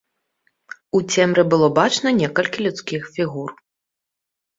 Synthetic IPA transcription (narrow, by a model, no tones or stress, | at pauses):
ut͡sʲɛmɾɨbɨlˠɔbat͡ʂnɐnʲɛkɐlʲkʲilʲut̪skʲixfʲiɣur